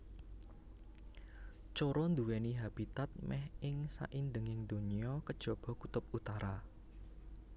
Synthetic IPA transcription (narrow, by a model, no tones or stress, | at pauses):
t͡ʃoɾɔnd̪uwɛniɦab̥it̪at̪̚mɛhɪŋsa̰ʔind̪əŋɪŋd̪oniɔkəd̥ʒ̥ɔ̤b̥ɔ̤kut̪ʊp̚ut̪aɾa